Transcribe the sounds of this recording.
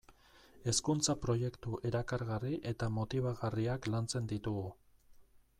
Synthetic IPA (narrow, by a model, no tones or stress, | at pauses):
e̞skunt͡sapɾo̞je̞kt̪uʔe̞ɾakaɾɣariʔe̞t̪amo̞t̪iβ̞aɣariaklant͡se̞nd̪it̪uɣu